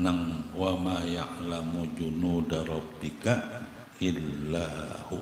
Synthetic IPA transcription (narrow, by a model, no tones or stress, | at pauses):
naŋwamajaʔlamud͡ʒunudaɾˤɔbika | ilːahu